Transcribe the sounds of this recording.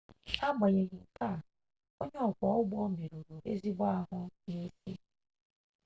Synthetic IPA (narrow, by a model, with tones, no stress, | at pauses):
a˦ɡ͡ba˨ɲe˨ɲi˨ŋ̩˨ka˦˨ | o˦ɲe˦ɔ˨kʷɔ˨˦ʊ˦ɡ͡bɔ˦me˨ɾo˨ɾo˨ʔe˦zi˦ɡ͡ba˦a˦ɦʊ˦ne˦te˦